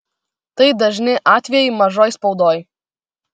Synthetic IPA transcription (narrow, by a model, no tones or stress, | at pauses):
t̪ɐɪd̪ɐʒʲnʲɪʔɑːt̪ʲʋʲɛjɛɪmɐʒoːjspɒʊd̪oːj